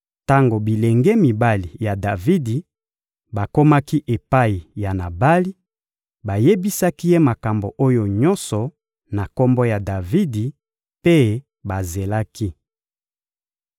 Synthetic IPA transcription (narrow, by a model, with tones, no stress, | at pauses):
ta˦ŋɡo˨bi˨le˨ŋɡɛ˦mi˨ba˦li˨ja˨da˨vi˦di˨ | ba˨ko˦ma˦ki˦ʔe˨pa˦i˨ja˨na˨ba˦li˦ | ba˨je˦bi˦sa˦ki˦je˦ma˨ka˨mbo˨ʔo˦jo˨ɲɔ˦nsɔ˨ | na˨ko˦mbɔ˦ja˨da˨vi˦di˨ | pe˦ | ba˨ze˨la˦ki˦